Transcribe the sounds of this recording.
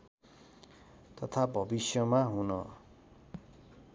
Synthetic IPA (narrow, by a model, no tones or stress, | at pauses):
t̪ʌt̪ʰabʱʌbisjʌmaɦunʌ